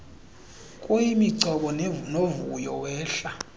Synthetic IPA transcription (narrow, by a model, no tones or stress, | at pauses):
kʼujimiǀʱɔɓɔnovṵjɔwɛːɬa